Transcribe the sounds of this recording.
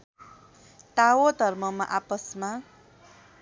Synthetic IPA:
t̪awod̪ʱʌrmʌma̰ʔapʌsma

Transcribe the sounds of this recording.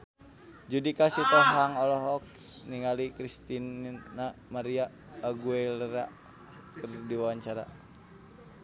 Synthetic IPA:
d͡ʒudikasit̪ɔɦaŋɔlɔɦɔk̚niŋalikɾist̪inːamaɾiaː | ɡueləɾa | kərdiwawaɲt͡ʃaɾa̰

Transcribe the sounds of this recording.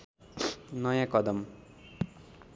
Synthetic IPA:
nʌjãkʌd̪ʌm

